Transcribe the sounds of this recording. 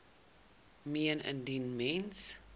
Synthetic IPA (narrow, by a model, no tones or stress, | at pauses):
miənə̰ndinmɛns